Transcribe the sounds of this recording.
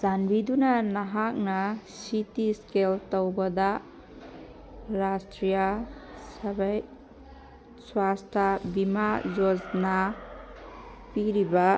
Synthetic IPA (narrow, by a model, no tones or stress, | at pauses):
zanbidunɐnaɦak̚nɐsitiskeltowbɐda | ɾastɾijasɐbaj | swastʰabimazod͡ʒna | piɾibɐ